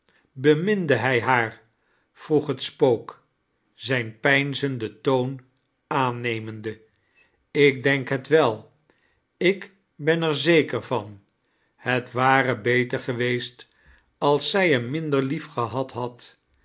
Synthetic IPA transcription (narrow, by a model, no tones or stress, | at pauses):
bəmɪndəɦɛjɦaːɹ | v̥ruχɦətspowk | z̥ɛjnpɛjnzəndətown | aːnejməndə | ɪk̚dɛŋkɦətʋɛlˠ | ɪk | bɛnɛɹzejkəɹvɑn | hətʋaːrəbejtəɹχəʋejst | ɑlˠsɛjənmɪndəɹlifχəɦɑtɦɑt